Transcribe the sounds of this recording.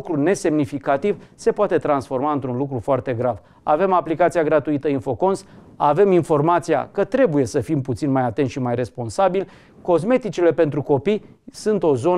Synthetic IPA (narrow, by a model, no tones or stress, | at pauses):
kɾune̞se̞mnifikat̪ivse̞poat̪e̞t̪ɾansfo̞rmaɨnt̪ɾunlukɾufoart̪e̞ɡɾav | a̰ve̞maplikat̪sijaɡɾat̪uit̪əinfo̞ko̞ns | ave̞minfo̞rmat̪sija̰kət̪ɾe̞buje̞səfimput̪sinmajat̪ent̪ʃimajre̞spo̞nsabil | ko̞zme̞t̪it͡ʃile̞pe̞nt̪ɾuko̞pij | sunt̪o̞zo̞